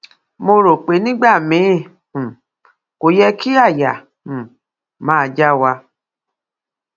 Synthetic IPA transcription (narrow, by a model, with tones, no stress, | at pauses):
mo˧ɾo˨k͡pe˨˦nĩ˦ɡ͡ba˦˨mĩ˨˦˨ | ko˨jɛ˧ki˦a˦˨jã˨ | mãː˦˧d͡ʒa˦wa˧